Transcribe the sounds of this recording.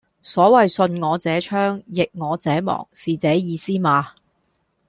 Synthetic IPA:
sɔː˨˥wɐ˨jsɵ˧nŋɔː˨˧t͡sɛː˨˥t͡ʃʰœː˥ŋjɪ˨k̚ŋɔː˨˧t͡sɛː˨˥mɔ̰ː˨˩ŋsiː˨t͡sɛː˨˥jiː˨˧siː˥maː˨˧

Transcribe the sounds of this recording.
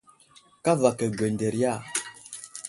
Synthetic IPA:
ka˦va˨kə˨ɡɛ˨n˨dɛ˨ɾja˦˨

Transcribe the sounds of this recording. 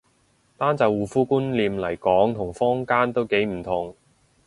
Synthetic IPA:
t̪aː˥nt͡sɐ˨˧wwuː˨fuː˥kuː˥nliː˨˧mlɐ˨˩jkɔː˨˥ŋt̪ʰʊ˨˩ŋfɔː˥ŋkaː˥nt̪o˥wke˨˥jm̩˨˩t̪ʰʊ˨˩ŋ

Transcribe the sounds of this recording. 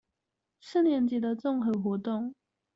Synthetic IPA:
ʂ̩˥˨njɛ˧˥˦nt͡ɕi˨˥d̪ə˧t͡sɔ˥˨ŋxɤ˧˥xwɔ˧˥t̪o˥˨ŋ

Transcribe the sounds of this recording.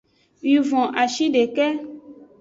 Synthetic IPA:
wi˨vɔ̃˨ʔa˨ʃi˦ɖe˨kɛ˦

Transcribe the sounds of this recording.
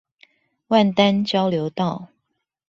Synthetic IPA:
wa˥˨nt̪a˦nt͡ɕjɑ˦ʊljo˨˦ʊt̪ɑ˥˨ʊ

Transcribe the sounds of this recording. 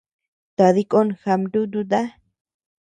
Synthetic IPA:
t̪a˨ði˦kʼo˦nxa˧mɾu˦d̪u˦d̪a˦

